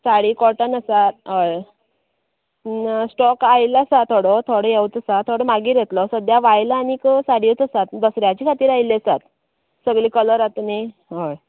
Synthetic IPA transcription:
saɽiːkɔʈənəsat̪ɦəj | sʈɔkajlasat̪ʰoɽɔt̪ʰoɽəjewt͡s̪əsat̪ʰoɽɔmaɡiːɾjɛt̪lɔsəd̪jaʋajlaːnikəsaɽiət͡s̪əsat̪d̪ɔsɾjat͡ɕiːkʰat̪iːɾaileəsat̪ | səɡlikələɾat̪neɦəj

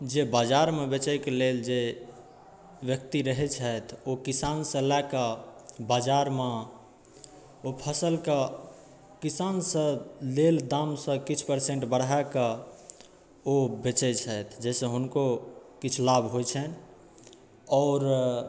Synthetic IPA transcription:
d͡ʒebad͡ʒaɾmebet͡ʃɛkeleld͡ʒe | ʋjək̚t̪iɾəɦɛt͡ʃʰət̪ʰokisansə̃lakəbad͡ʒaɾme | opʰəsəlkə | kisansə̃leld̪amsə̃kit͡ʃʰpəɾsẽɳʈbəɽakə | obet͡ʃɛt͡ʃʰət̪ʰd͡ʒɛsə̃ɦunkokit͡ʃʰlabʱɦojt͡ʃʰɛn | ɔːɾ

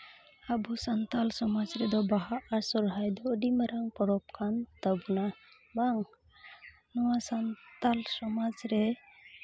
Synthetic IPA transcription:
abusant̪alsɔmad͡ʒɾɛd̪ɔbaɦaːɾsɔɾɦajd̪ɔːɖimaɾaŋpɔɾɔp̚kʰant̪abna | baŋ | nɔwasant̪alsɔmad͡ʒɾɛ

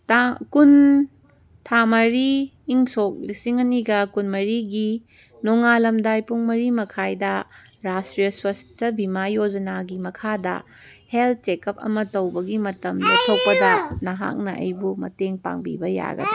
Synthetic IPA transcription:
takun | tʰamɐɾiː | ŋsok̚lisiŋɐniɡɐkunmɐɾiɡi | noŋalɐmdajpuŋmɐɾimɐkʰajdɐɾastɾijɐswɐstɐbʱimajod͡ʒɐnaɡimɐkʰadɐ̰ | helt̚t͡ʃekɐp̚ɐ̰mɐtɐwbɐɡimɐtɐmlitʰok̚pɐdɐnɐɦa̰k̚nɐʔɐ̰jbumɐ̰teŋpa̰ŋbḭbɐja̰ɡɐ̰di

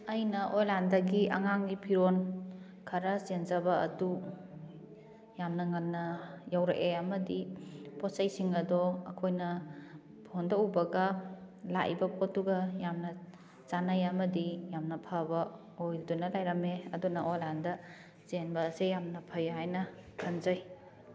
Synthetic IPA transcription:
ɐjnɐʔojlandɐɡiʔɐ̰ŋaŋɡipʰiɾon | kʰɐɾɐzenzɐbɐɐ̰du | jamnɐŋɐnːɐjawɾeʔeɐmɐdipɔsajsiŋɐdɔɐkʰojnɐ | pʰondaubɐɡɐ | la̰ʔḭbɐpʰot̚ːuɡɐjamnɐ | t͡ʃanajɐmɐdijamnɐpʰabɐ | ojdunɐlajɾɐmeɐdunɐʔolandɐ | senbɐːsejamnɐpʰɐjɦajnɐkʰanzaj

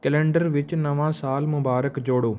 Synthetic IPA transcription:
kɛlẽːɳɖəɾʋɪt͡ʃnɐʋãːsaːlmʊbaːɾəkd͡ʒoːɽoː

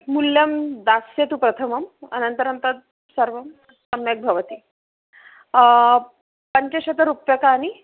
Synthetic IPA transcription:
muljɐmd̪asjet̪upɾɐt̪ʰəmɐmɐ̰nənt̪əɾɐnt̪ɐt̪̚ | sɐɾʋɐm | ɐmjɐk̚bʱɐʋət̪iː | pəɲt͡ɕeɕɐt̪əɾupjɐkaːni

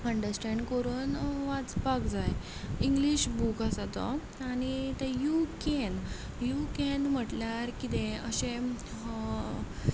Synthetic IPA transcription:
əɳɖəɾsʈɛɳɖkəɾuːnʋat͡spakd͡zaj | iŋɡliɕbukasat̪ɔ̰ | añit̪ejukɛn | jukɛnm̤əʈljaɾkit̪ẽəɕẽ

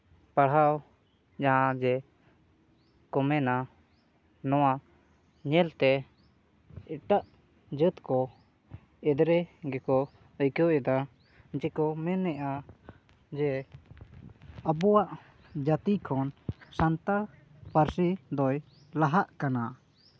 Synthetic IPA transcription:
paɽɦaw | d͡ʒaɦãd͡ʒɛ | kɔmɛna | nɔwa | ɲɛlt̪ɛ | ɛʈaʔ | d͡ʒət̪kɔ | ɛd̪ɾɛɡɛkɔ | əjkɔʔɛd̪a | d͡ʒɛkɔmɛnːɛʔa | d͡ʒɛ | əbɔwaʔ | d͡ʒat̪ikʰɔnsant̪aɾ | paɾsid̪ɔj | laɦaʔkana

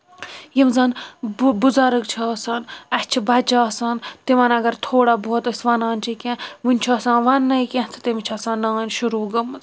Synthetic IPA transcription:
jimzɐnbuzaɾɨkt͡ʃʰaːsɐːnɐt͡ʃʰibɐt͡ʃaːsant̪imɐnɐɡɐɾt̪ʰoːɽaboːt̪əsʋɐnaːnʲt͡ʃʰikʲẽʋɨnʲt͡ʃʰaːsãːʋɐnːɐjkʲẽt̪ʰɨ̥t̪imit͡ʃʰɐsãːnːaːnʲʃuɾuːɡɐmːɨz

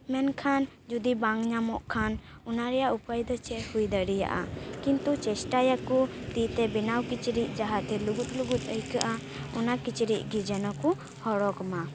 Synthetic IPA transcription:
mɛnkʰan | d͡ʒud̪ibaŋɲamɔʔkʰanɔnaɾɛjaʔupajd̪ɔt͡ʃɛʔhujd̪əɽija̰ʔa̰kint̪ut͡ʃɛsʈajakut̪iʔt̪ɛbɛnawkit͡ʃɾiʔ̚d͡ʒaɦat̪ɛluɡut̪̚luɡut̪̚ˀəjkaʔa | ɔnakit͡ʃɾic̚ɡid͡ʒanaku | hɔɽɔkɔma

